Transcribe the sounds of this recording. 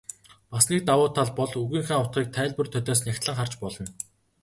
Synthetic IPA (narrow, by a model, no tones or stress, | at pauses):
pasniːk̚t̪awʊːt̪ʰːaɮpɔɮuɣiːŋxaːŋʊt̪̚χiːk̚t̪ʰæːɮpɵ̆rt̪ʰœt̪ɔːs̬nʲaxʲt̪ɮə̆ŋχart͡ɕpɔɮɞ̆n